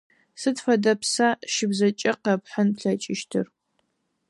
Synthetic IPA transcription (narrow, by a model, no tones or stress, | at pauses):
sɨtfɐdɐpsaːʃɪbzɐt͡ʃʼɐqɐpħənpɬɐt͡ʃʼɪʃtʰɨ̰r